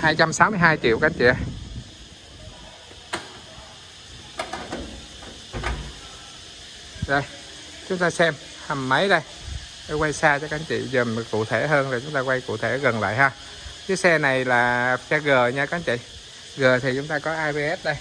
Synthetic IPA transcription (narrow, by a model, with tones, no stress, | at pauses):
haː˧jt͡ɕa˧msaː˨˦wmɨ˧əjɦaː˧jt͡ɕḭ˧˨wka˨˧˦ŋt͡ɕḭ˧˨a˨˧j | zə˧˩j | t͡ɕʊ˨˦ŋ͡mt̪aː˧sɛ˧m | hə˨˩mːə˨˦jɗə˧j | ɗə˧kwa˧jsaː˧t͡ɕɔ˧ka˨˦nt͡ɕḭ˧˨zə˨˩n˨˩kṵ˧˨t̪ʰe˧˩ɦəː˧nzə˨˩t͡ɕʊ˨˦ŋ͡mt̪aː˧kwa˧jkṵ˧˨t̪ʰe˧˩ɣə˨˩nla̰ː˧˨jɦaː˧ | kɨ˨˦sɛ˧na˨˩jlaː˨˩sɛ˧ɣəː˨˩ɲa˧ka˨˦nt͡ɕḭ˧˨ | ɣəː˨˩t̪ʰi˨˩t͡ɕʊ˨˦ŋ͡mt̪aː˧kɔ˨˦ʔaː˧jve˧ʔɛ˦˥p̚ɗə˧j